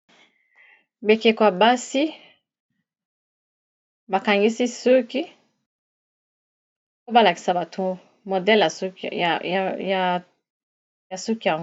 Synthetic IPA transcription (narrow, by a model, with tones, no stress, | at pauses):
be˨ke˨kwa˨ba˦si˦ | ba˨ka˨ŋɡi˦si˦so˦ki˦ | o˦ba˦la˨ki˨sa˨ba˨tʰo˦˨ | mo˨dɛ˦la˨s | ja˨ | ja˨su˦ki˦ja˨ŋ˦